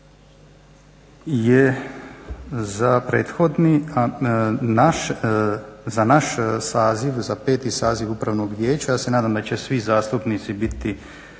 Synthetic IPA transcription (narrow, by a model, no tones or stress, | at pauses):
je | zapɾḛːt̪xod̪nianaʃ | zanaʃsaːziʋzapeːt̪isaːziʋupɾaʋnoɡʋjeːt͡ɕajaːsenaːd̪amd̪at͡ɕesʋizaːst̪upnit̪sibit̪i